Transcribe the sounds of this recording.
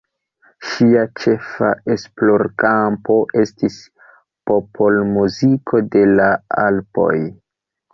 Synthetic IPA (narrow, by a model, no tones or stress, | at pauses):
ʃiat͡ʃe̞fa̰esplo̞ɾkampo̞ʔe̞stis | popʰo̞lmuzikʰo̞de̞laalpo̞̰j